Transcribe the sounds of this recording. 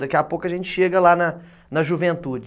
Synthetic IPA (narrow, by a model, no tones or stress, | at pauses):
d̪ɐkiapokʊɐʒẽnt͡ʃɪ̥ʃeɡɐlanɐ | nɐʒuvẽnt̪ud͡ʒ